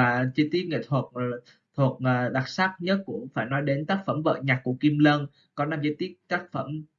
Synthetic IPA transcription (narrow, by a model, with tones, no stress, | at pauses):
aː˨˩t͡ɕi˧t̪i˦˥t̚ŋḛ˧˨t̪ʰwə˨˩t̚ | t̪ʰwə˨˩ət̚əː˨˩ɗa˨˩t̚sa˦˥k̚ɲə˦˥t̚kʊ̰˧˩˥ŋ͡mfaː˧˩jnɔ˨˦jɗe˨˦nt̪aː˦˥k̚fə˧˩mvə̰ː˧˨ɲa˨˩k̚ːu˧˩əki˧mlə˧n | kɔ˨˦na˧mzi˧t̪i˦˥ət̚t̪aː˦˥k̚fə˧˩m